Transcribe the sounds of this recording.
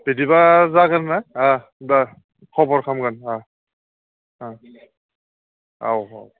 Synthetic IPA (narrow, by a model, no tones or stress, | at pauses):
b̥edibazakanːaa | da | kʰɔbɔɹkʰamɡana | a | a̰wa̰w